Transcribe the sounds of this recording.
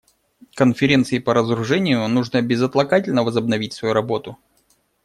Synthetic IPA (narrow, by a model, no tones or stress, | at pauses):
kənfʲɪɾʲe̞nt̪sɨɪpəɾəzəɾʊʐɛnʲɪjʊnuʐnəbʲɪzət̪lˠɐkatʲɪlʲnəvəzəbnɐvʲitʲsvɐjuɾɐbo̞t̪ʊ